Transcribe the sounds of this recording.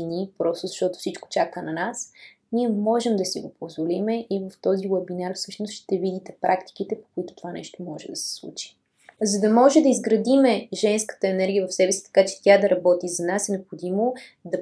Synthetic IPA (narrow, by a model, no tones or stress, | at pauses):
nipɾɔst̪ozɐʃt̪ɔt̪o̥fsit͡ʃko̥t͡ʃakənɐnas | niɛmɔʒɛmd̪ɐsiɡopozvolimɛʔivɐft̪ɔzilˠɐbinaɾfsɤ̥ʃnosʃt̪ɛvid̪it̪ɛpɾʔakt̪i̥k̟it̪ɛpo̥kʊit̪ʊ̥t̪ovanɛ̰ʃt̪omɔʒɛd̪ɐsɛ̥slˠṵt͡ʃi̥ | zɐd̪ɐmɔʒɛd̪ɐizɡɾɐd̪imɛʒɛnskə̥t̪əɛnɛɾɡʲijəvɐfsɛvɛsi̥t̪ɐ̥kat͡ʃɛ̥t̪ʲad̪ɐɾɐbɔt̪izɐnasɛnɛopxod̪imod̪ɐ